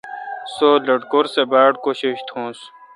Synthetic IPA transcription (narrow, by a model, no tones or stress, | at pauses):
soːlɐʈkoɾsebaːɽkoɕiɕt̪ʰõːs